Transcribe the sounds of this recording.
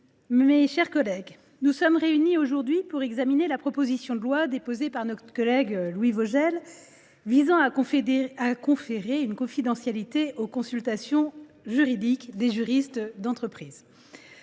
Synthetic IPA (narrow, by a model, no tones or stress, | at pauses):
meʃɛʁkɔlɛɡ | nusɔmʁeynioʒuʁd̪ɥipuʁɛɡzaminelapχɔpozisjɔ̃d̪əlwad̪epozepaʁnɔt̪χkɔlɛɡlwivoʒɛl | vizɑ̃ã | akɔ̃feʁeynkɔ̃fid̪ɑ̃sjalit̪eʔokɔ̃sylt̪asjɔ̃ | ʒyʁid̪ikd̪eʒyʁist̪d̪ɑ̃t̪χəpχiːz